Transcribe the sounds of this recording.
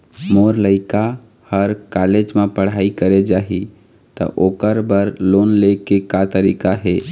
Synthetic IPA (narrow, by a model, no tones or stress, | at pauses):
moɾləɪka | həɾkaled͡ʒmẽpəɽ̤aikəɾed͡ʒaːɦi | t̪ə̰ʔokəɾbəɾlonlekekat̪əɾikaɦe